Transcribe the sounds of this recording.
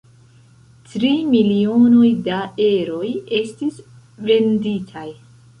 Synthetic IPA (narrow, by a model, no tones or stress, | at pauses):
tɾimilio̞no̞jdae̞ɾo̞je̞stis | ve̞nditʰaj